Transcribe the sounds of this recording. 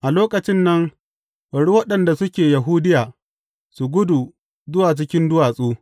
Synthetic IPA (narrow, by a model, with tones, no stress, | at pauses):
ʔa˨loː˦kɐ˨t͡ʃɪ˦nːɐ˦ŋ | bɐ˨ɽu˦wɐ˦ɗɐ˨nda˨sʊ˦kʲeː˨jɐ˨ɦuː˦dɪ˦jaː˨ | su˨ɡʷʊ˦du˨ | zʊ˦waː˨t͡ʃɪ˦kʲɪ˦ndʊ˦waː˨sʼuː˦